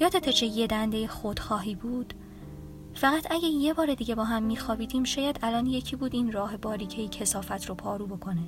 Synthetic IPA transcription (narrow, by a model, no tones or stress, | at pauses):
jɒːt̪ʰet̪ʰet͡ʃʰejed̪ænd̪ejexod̪̥xɒːɦiːbuːd̪̥ | fæɣæt̪ʰæɟæje̞bɒːɾe̞d̪iːɟe̞bɒːɦæmːiːxɒːbiːd̪iːmʃɒːjæd̪ælɒːnjecʰiːbuːd̪iːnrɒːɦe̞bɒːɾiːcʰejicʰe̞sɒːfæt̪ʰɾopʰɒːɾuːbo̞kʰo̞ne